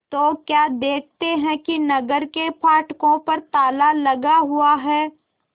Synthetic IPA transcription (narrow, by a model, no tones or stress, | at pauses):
t̪oːkjaːd̪eːkʰt̪eɦɛ̃kinɐɡəɾkepʰaːʈkõpɐɾt̪aːlalɐɡaɦʊaɦɛː